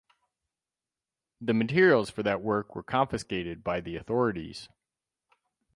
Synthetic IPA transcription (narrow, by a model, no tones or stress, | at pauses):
ðɨmɨtʰɪɹil̩ˠz̥fə˞ðɨt̚wɜ˞kwə̰˞kʰɑ̃ɱfɨskeɪɾɨd̚baɪðiɨθɔɹɨɾḭz̥